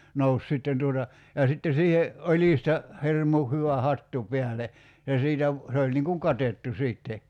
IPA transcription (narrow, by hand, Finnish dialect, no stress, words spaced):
nous sitːen tuotɑ jɑ sitːe siːhe olʲistɑ hirmu hyʋæ hɑtːu piæle jɑ siːtæ ʋ se olʲ niŋ kuŋ kɑtetːu siːtːe